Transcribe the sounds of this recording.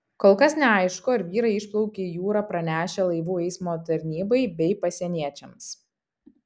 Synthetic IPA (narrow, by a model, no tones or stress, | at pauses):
koːlˠkɐsnʲɛɐɪʃkoːɪɾʋʲiːɾɐɪɪʃplˠɔʊkʲeːjuːɾɐːpɾɐnʲæːʃʲɛlˠɐɪʋuːɛɪsmoːt̪ɐɾʲnʲiːbɐɪbʲɛɪpɐsʲɛnʲiɛt͡ʃʲɛms